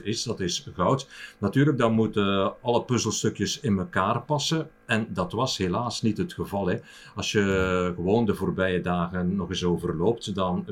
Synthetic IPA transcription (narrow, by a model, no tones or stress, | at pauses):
ɪsdɑtɪsɣɔwtnatyːrləɡ̚dɑnmutəɑləpɵzəlˠstɵkjəsɪnməkaːrpɑsə | ɛndɑtʋɑsheːlaːsnitɦətxəvɑlˠɛ | ɑlsjəɣəʋoːndəvoːrbɛjədaːɣənːɔɣɪsoːvərloːp̚tdɑn